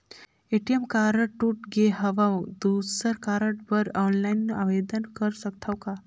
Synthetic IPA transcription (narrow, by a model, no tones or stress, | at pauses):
eʈijemkaɾəʈːuʈɡeɦəʋawd̪usəɾkaɾəʈ̚bəɾɔːnlajnːuʔaʋed̪ənkəɾsək̚t̪ʰawka